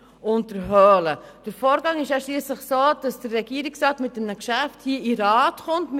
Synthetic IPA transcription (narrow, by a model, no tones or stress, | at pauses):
ʊntd̥əɾɦœːləd̥əɾfoːɾɡɑŋɪʃæʃliəsləχsoːd̥ɑsd̥əɾːɛɡ̥iəɾiksrɑːtmɪt̚dɛmnəkʃæfthiəiɾɑːtχʊntm